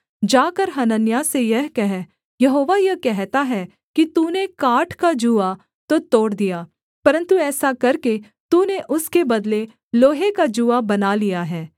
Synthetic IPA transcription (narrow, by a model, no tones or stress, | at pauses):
d͡ʒaːkəɾɦɐnənjasejɐɦkɛɦɛ | jɐɦoːʋajɐkɛɦt̪aɦɛ | kit̪uːnekaːʈʰkad͡ʒuːa | t̪ot̪oːɽd̪ijaː | pɐɾə̃nt̪uɛːsakɐɾke | t̪uːneʔʊskebɐd̪le | loːɦekad͡ʒuːabɐnalijaɦɛː